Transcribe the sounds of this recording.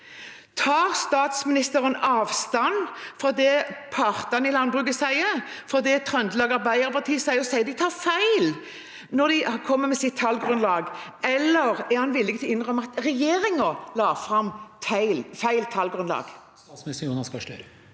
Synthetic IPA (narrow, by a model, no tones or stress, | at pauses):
t̪ʰɑːʁst̪ɑːt̪smɪnɪst̪əɾənɑːʋst̪ɑnfʁɔd̪ɛpʰɑʁt̪ɑnɪlɑnbʁʉːɡəsæɪəfɾɔd̪ɛt̪ʰʁœnd̪lɑːɡɑɾbæɪəʁpʰɑt̪ʰiːəsæɪəɔsæɪəd̪ɪt̪ʰɑːʁfæɪl | nɔd̪ɪkʰɔmːəmɛsɪt̪ʰːɑlɡɾʉnlɑːɡɛlːəʁæɾhɑnʋɪlːɪɡət̪ʰɪlɪnʁœmːəɑt̪ʁɛjeːʁɪŋəlɑːfʁɑmt̪ʰæɪlfæɪlt̪ʰːɑlɡɾʉnlɑ̰ːɡ̥ | sɑːt̪smɪnɪst̪əuːnɑnskɑʃtø̰ɾə